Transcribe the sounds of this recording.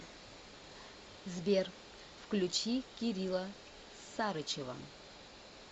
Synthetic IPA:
zbʲer | fklʲut͡ʃikʲiɾʲilˠɐ | saɾɨt͡ʃeva̰

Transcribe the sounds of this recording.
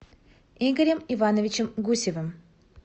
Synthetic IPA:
iɡəɾʲəmivanəvʲɪt͡ɕəmɡusʲɪvəm

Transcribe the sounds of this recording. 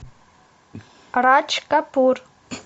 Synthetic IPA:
rat͡ʃʰkʼapʰur

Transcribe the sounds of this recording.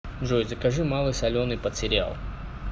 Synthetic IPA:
ʐojzəkɐʐɨmalˠɨjsɐlʲonipət̪ʲsʲɪɾʲa̰lˠ

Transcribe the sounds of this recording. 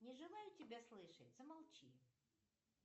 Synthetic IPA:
nʲɪʐɨlˠajʊtʲɪbʲaslˠɨʂə̰t̚ʲz̥əmɐlˠt͡ɕi

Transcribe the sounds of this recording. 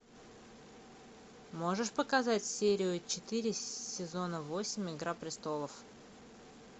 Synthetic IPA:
mo̞ʐɨʂpəkɐzatʲsʲeɾʲɪʊt͡ɕɪt̪ɨɾʲɪsʲɪzo̞nəvo̞sʲɪmʲɪɡɾapɾʲɪst̪o̞lˠəf

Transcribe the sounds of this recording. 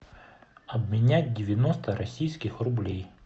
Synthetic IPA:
ɐbmʲɪnʲat̚ʲdʲɪʋʲɪnɔst̪ɐɾɐsʲijsʲkʲɪxrʊblʲij

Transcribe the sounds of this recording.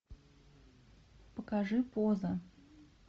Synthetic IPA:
pəkaʐɨpozə

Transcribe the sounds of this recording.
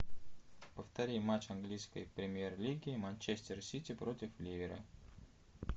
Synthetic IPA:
pəft̪ɐɾʲijmat͡ɕɐnɡlʲijskə̰jpɾʲɪmʲjerlʲiɡʲɪːmanʲt͡ɕesʲt̪ʲɪrsʲitʲɪpɾo̞tʲɪflʲivʲɪɾə̰

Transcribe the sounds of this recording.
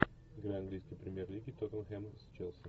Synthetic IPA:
ɪɡɾaɐnɡlʲijskəjpɾʲɪmʲjerlʲiɡʲɪt̪ot̪ənxɛmst͡ʃɛlˠsən

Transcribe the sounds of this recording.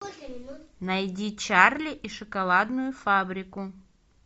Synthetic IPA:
nɐjdʲit͡ɕarlʲɪʔiʂɨkɐlˠad̪nʊjʊfabɾʲɪkʊ

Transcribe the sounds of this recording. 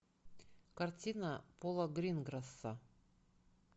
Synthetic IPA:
kartʲinapolˠɐɡɾʲinɡɾasːa

